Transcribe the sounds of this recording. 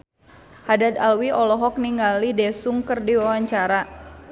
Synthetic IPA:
hadad̪alwiʔɔlɔɦɔk̚niŋɡalidɛsuŋkɨrdiwawaɲt͡ʃaɾa

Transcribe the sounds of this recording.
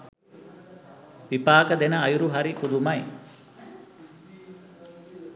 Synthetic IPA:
ʋipaːkəd̪enəːjuɾuɦaɾikud̪umɐj

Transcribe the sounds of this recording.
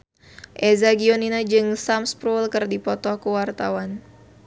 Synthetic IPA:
ʔɛzaɡioninad͡ʒɨŋsamspɾulkɨrdipɔt̪ɔhkuwart̪awan

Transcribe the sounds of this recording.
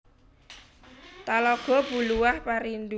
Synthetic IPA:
t̪alɔɡ̥ɔ̤bṳluwahpaɾind̪u

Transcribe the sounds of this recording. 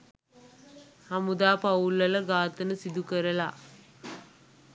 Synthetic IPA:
hɐmud̪aːpaulːɐləɡaːt̪ənəsid̪ukəɾəla̰

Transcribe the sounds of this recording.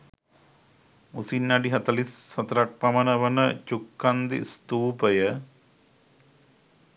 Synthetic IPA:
usinːɐɖiɦɐt̪ɐlisːɐt̪ɐɾak̚pɐmɐnəʋənət͡ʃukːand̪ḭst̪uːpəjə

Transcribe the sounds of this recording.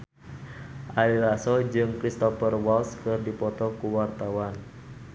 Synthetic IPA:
ʔalilasɔd͡ʒɨŋkɾist̪ɔfərwalskɨrdipɔt̪ɔkuwart̪awan

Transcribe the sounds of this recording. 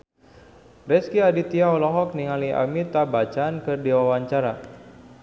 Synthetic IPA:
rɛskiadit̪iaɔlɔɦɔk̚niŋaliʔa̰mit̪abat͡ʃaːnkərdiwawaɲt͡ʃaɾa

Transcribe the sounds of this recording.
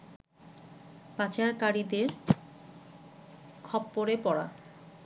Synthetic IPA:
pat͡ɕaɾkaɾid̪eɾ | kʰɔbːoɾepɔɽa̰

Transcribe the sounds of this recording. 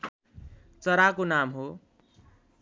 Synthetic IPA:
t͡sʌɾakonamɦo

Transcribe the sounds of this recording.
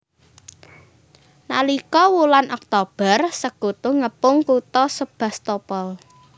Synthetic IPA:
na̰likɔwulanʔɔk̚t̪ob̥ə̤rsəɡ̥ot̪oŋəpʊŋkut̪ɔsəb̥a̤st̪opɔl

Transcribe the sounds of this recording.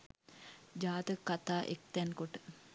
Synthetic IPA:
d͡ʒaːt̪əkːat̪aːʔḛk̚t̪ɛnkoʈə̥

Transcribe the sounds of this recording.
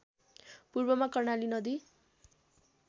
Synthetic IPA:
purbʌmakʌrnalinʌd̪i

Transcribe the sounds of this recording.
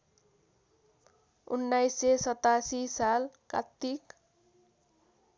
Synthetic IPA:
ṵnːajsesʌt̪asisalka̰t̪ːik

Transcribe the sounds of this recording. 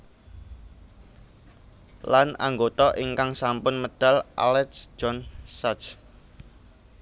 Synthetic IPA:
lana̰ŋɡot̪ɔʔiŋkaŋsampʊnməd̥a̤lʔa̰lɛtsd͡ʒ̥ɔnsat͡ʃ

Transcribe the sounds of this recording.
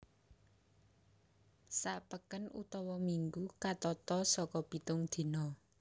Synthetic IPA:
saʔpəkənṵt̪ɔwɔmiŋɡukat̪ɔt̪ɔsɔkɔb̥i̤t̪ʊŋd̪̥e̤nɔ

